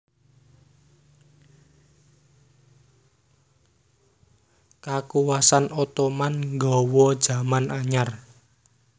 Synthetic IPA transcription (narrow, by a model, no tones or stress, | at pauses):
kakuwasanot̪omanŋɡɔwɔd̥ʒ̥a̤manʔaɲar